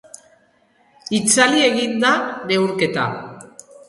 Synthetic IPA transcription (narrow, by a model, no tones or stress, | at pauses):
it͡salie̞ɣind̪ane̞wɾke̞t̪a̰